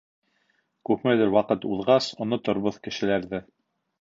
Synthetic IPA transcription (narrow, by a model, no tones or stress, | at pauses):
kʉpmɘðɘɾwɑqɤt̪uðʁɑsŏnɤt̪ŏɾβoðkɘ̆ʃɘ̆læɾðɘ